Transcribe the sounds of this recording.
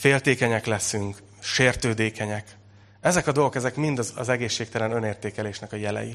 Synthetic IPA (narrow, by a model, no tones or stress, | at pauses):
feːlt̪eːkɛɲɛklɛsyŋk | ʃeːrt̪øːd̪eːkɛɲɛk | ɛzɛkɒd̪o̞lɡo̞kɛzɛkmind̪ɒzɒ̰zɛɡeːʃːeːk̚t̪ɛlɛnø̞neːrt̪eːkɛleːʃnɛkɒjɛlɛ̰jḭ